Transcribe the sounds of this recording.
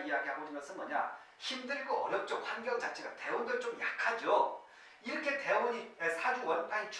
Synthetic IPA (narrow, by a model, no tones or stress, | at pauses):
ijaɡiɦaɡod͡ʑinɡʌsʰɯnmʌɲa̰ | çimdɯɭɡoʌɭʌp̚t͡ɕ͈ʌk̚ɸwanɡjʌt͡ɕat͡ɕʰeɡate̞uŋdɯɭt͡ɕomjakʰad͡ʑo | iɾʌkʰe̞te̞ɲiesʰad͡ʑuwʌnt͈ait͡ɕ